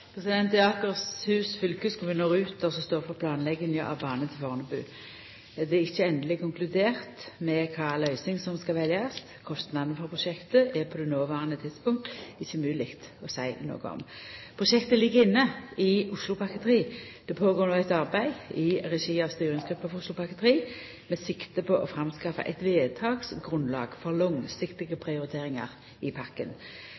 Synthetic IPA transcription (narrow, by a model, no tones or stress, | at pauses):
pʰʁɛsɪd̪ɛnt̪ɪɑːkəʁshʉːsfʏlkʉskʰʊɾʋɪnoːʁʉːt̪ɔsɔst̪oːʁfɔʁpʰlɑːnlɛɡənjəʔɑ̰ʋbɑːnət̪ʰɪlfɔʁnəbʉ̰ː | d̪ɛɛɪçːəɛnd̪əlɪkʰʊŋklʉd̪eːʁt̪mɛkʰɑːlœʏsɪŋsɔmskɑʋɛljɑst̪kʰɔst̪nɑd̪n̩fɔʁpʰʁʊʃɛkt̪əʔɛʁpʰɔd̪ɛnoːʋɑːʁənət̪ʰɪd̪spʊŋt̪ɪçːʉmʉːlɪkt̪ɔsæɪno̰ːɡəɔ̰mpʰʁʊʃɛkt̪əlɪɡːəɪnːəɪʊslʊpʰɑkət̪ʰəʁiːd̪̥ɛpʰoːɡoːɾnoːæɪt̪ɑʁbæɪɪʁɛʃiːɑʋst̪yːɾɪŋsɡʁʉpːəɑʋʊslʊpʰɑkət̪əʁiː | mɛsɪkt̪əpʰɔʔɔfʁɑmskɑfə̰ʔɛ̰t̪ʋeːt̪ʰɑːɡsɡʁʉnlɑ̰ːɡfɔʁlɔŋsɪkt̪ɪɡəpʰɾɪʊɾɪt̪ʰeːɾɪŋɑ̰ʁ | ɪpʰɑkːə̰n